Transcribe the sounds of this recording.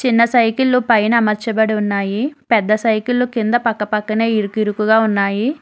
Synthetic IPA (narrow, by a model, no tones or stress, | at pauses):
t͡ʃinːɐsɐjkulːupɐjnɐmɐɾt͡ʃɐbɐɽiunːaːjipɛd̪ːɐsɐjkulːukind̪ɐpɐkːɐpɐkːɐneːiɾukiɾukuɡaːunːaːji